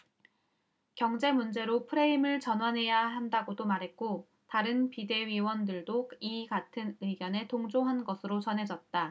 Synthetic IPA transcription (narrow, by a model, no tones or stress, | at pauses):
kjʌŋd͡ʑe̞mund͡ʑe̞ɾopʰɯɾe̞imɯɭt͡ɕʌnwanɦe̞jaɦandaɡodomaɾɦe̞t̚k͈o | taɾɯnpide̞ɥiwʌndɯɭdokiɡatʰɯnɯɡjʌne̞toŋd͡ʑoɦanɡʌsʰɯɾot͡ɕʌnɦe̞d͡ʑʌt̚t͈a